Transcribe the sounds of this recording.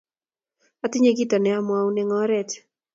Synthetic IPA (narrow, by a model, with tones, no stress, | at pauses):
a˨tɪ˦ɲe˦ɡitɔ˨nɛ˨amwa˦unɛŋɔɾɛt